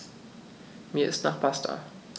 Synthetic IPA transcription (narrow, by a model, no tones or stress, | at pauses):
miːɐʔɪstnaːχb̥ʰastʰɐ̰